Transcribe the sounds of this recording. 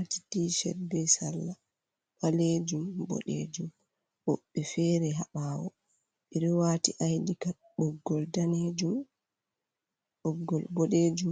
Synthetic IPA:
ati̥diʃɛ̰dbɛsalːa | ɓaled͡ʒumbɔ̰ɗḛd͡ʒum | ɓɔɓːɛfɛɾɛɦaɓawɔ̰ | ɓiɾiwatiʔajdika | ɓɔɡːɔldaned͡ʒum | ɓɔɡːɔlbɔɗed͡ʒum

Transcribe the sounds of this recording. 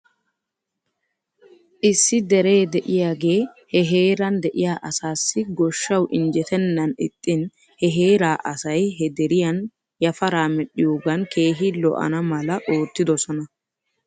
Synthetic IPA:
ʔɪsːɪd̪ɛɾe̞ːd̪ɛʔɪjaːɡe̞ːhɛɦe̞ːɾɐnd̪ɛʔɪjaːʔɐsaːsːɪɡɔʃːɐwʔɪnd͡ʒɛt̪ɛnːɐnɪt̪ʼːɪn | hɛɦeːɾaːʔɐsɐjɦɛd̪ɛɾɪjɐn | jɐfɐɾaːmɛɗɪjoːɡɐnkʰe̞ːɦilɔ̰ʔɐ̰nɐmɐlɐʔo̞ːt̪ːɪd̪ɔsɔnɐ

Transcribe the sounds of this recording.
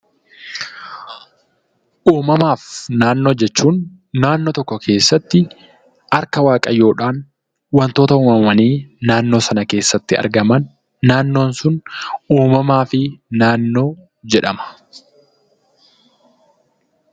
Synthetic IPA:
ʔuːmɐmaːfnaːnːo̞ːd͡ʒɛt͡ʃːuːnː | aːnːot̪ɔkːɔkʰe̞ːsːɐt̪ːɪ | ɐɾkɐwaːkʼɐjo̞ːᶑaːn | wɐnt̪o̞ːt̪ɐuːmɐmɐniːnaːnːo̞ːsɐnɐke̞ːsːɐt̪ːɪɐ̰ɾɡɐmɐnː | aːnːo̞ːnsʊnuːmɐmaːfɪnaːnːo̞ː | d͡ʒɛᶑɐmɐ̥

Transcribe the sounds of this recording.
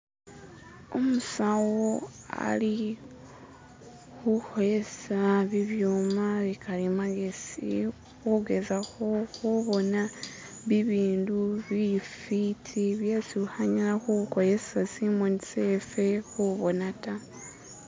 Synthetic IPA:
omusawo | a̰li | xuxoje̞saβiβjuːmaβikʰalimaɡesḭ | xuɡe̞zaxo̞xuβo̞naβiβiːnduβifitʰiβjesiuhaɲalaxukojesasimonisefe̞xuβo̞nata

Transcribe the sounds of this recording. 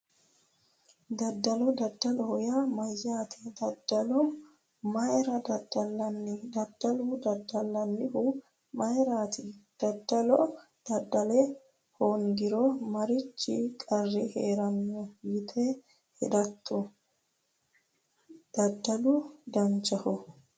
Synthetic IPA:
d̪ɐd̪ːɐlɔd̪ɐd̪ːɐlɔhʊjamɐjːaːt̪ʰɪ̥d̪ɐd̪ːɐlɔ | mɐjɾɐd̪ɐd̪ːɐlːɐnːɪd̪ɐd̪̥ːɐlʊd̪ɐd̪ːɐlːɐnːɪhʊ | mɐjɾaːt̪ɪd̪̥ɐd̪ːɐlɔ | d̪̥ɐd̪ːɐlɛ | hɔŋɡɪɾɔmɐɾɪt͡ʃːɪ̰kʼɐrːɛheːɾɐnːɔjɪt̪ʰɛ | hɛ̰d̪ɐt̪ʰːɔ | d̪̥ɐd̪ːɐlud̪ɐnt͡ʃːɐhɔ

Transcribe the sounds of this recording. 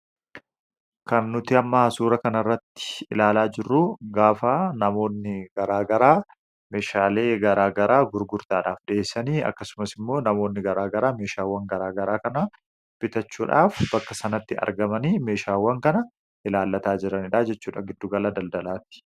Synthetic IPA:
kɐnːʊt̪ɪɐmːahɐsuːɾɐkɐnɐrːɐt̪ːɪ̥ʔɪlaːlaːd͡ʒɪrːuɡaːfaːnɐmo̞ːnːɪɡɐɾaːɡɐɾaː | me̞ːʃaːle̞ːɡɐɾaːɡɐɾaːɡʊɾɡʊɾt̪aːᶑa̰ːfᶑeːsːɐniːɐ̰kːɐsʊmɐsɪmːo̞ːnɐmo̞ːnːɪɡɐɾaːɡɐɾaːme̞ːʃaːwːɐŋɡɐɾaːɡɐɾaːkɐnɐ | b̥ɪt̪ɐt͡ʃːuːᶑaːfbɐkːɐsɐnɐt̪ːɪɐ̰ɾɡɐmɐniːme̞ːʃaːwːɐŋkɐnɐ | ʔɪlaːlːɐt̪aːd͡ʒɪɾɐnɪᶑaːd͡ʒɛt͡ʃːuːᶑa̰ːŋɡɪd̪ːuːɡɐlad̪ɐld̪ɐlaːt̪ːɪ̥

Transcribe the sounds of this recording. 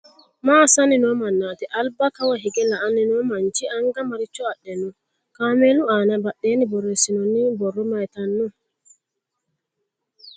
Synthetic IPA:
masaninɔmanːatɛʔalbakawaɦiɡɛlaanːinɔmand͡ʒiʔaŋɡamaɾit͡ʃːɔaɗːɛnu | kamɛluanabaɗːɛnibɔrɛsinɔnːibɔrːɔmajtanːu

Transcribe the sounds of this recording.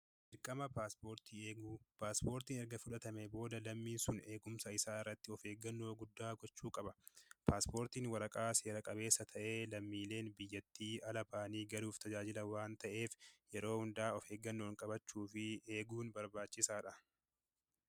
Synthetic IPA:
d͡ʒɪɾkʼːɐmɐpaːspoːɾt̪iːeːɡuːpaːspo̞ːɾt̪iːnɛɾɡɐfʊᶑɐt̪ɐmɛbo̞ːd̪ɐlɐmːiːnsʊne̞ːɡʊmsɐɪsaːɪrːɐt̪ːɪɔfe̞ːɡɐnːo̞ːɡʊd̪ːaːɡɔt͡ʃːuːkʼɐbɐpʰaːspo̞ːɾt̪iːnwɐɾɐkʼaːseːɾɐkʼɐbe̞ːsːɐt̪ʰɐʔe̞ːlɐmːiːle̞ːnbɪjːɐt̪ːiːɐlɐbaːniːɡɐɾuːft̪ʰɐd͡ʒaːd͡ʒɪlɐwaːnt̪ɐʔe̞ːfjɛɾo̞ːhʊnd̪aːɔfe̞ːɡːɐnːo̞ːŋkʼɐbɐt͡ʃːuːfɪeːɡuːnbɐɾbaːt͡ʃːɪsaːᶑɐ

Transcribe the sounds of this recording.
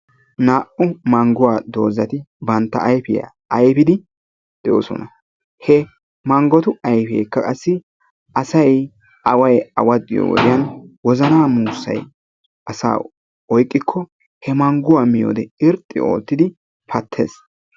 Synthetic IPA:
naːʔʊmɐŋɡʊwaːd̪o̞ːzɐt̪ɪbɐnt̪ːɐ̰ʔɐjfɪja̰ | ɐjpɪd̪ɪ | d̪̥ɛjo̰ːsɔ̰nɐ | hɛ | mɐŋɡɔt̪ʊɐjfḛːkːɐkʼɐsːɪ | ʔɐsɐj | ʔɐwɐjɐwɐd̪ɪ̰jo̰wɔ̰d̪ɪjɐnwɔzɐnaːmuːsːɐ̰j | ʔɐsa̰ː | ɔjkʼːɪkʰːɔ | hɛmɐŋɡʊwaːmɪjo̰ːd̪ɛɪɾt̪ʼːɪ̰o̞̰ːt̪ːɪd̪ɪ | pɐt̪ʰːe̞̰ːs

